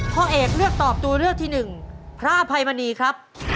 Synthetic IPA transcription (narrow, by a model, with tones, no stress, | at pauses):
pʰɔː˧˩ʔeː˨˩k̚lɯ˥˩ək̚t̪ɔː˨˩p̚t̪uː˧ɾɯ˥˩ək̚t̪ʰiː˥˩nɯ˨˩ŋpʰɾa˦˥˧pʰa˧jma˧niː˧kʰɾa˦˥p̚